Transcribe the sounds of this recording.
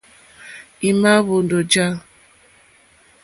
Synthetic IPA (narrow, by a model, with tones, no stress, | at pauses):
i˨ma˦βo˨ndo˨d͡ʒa˦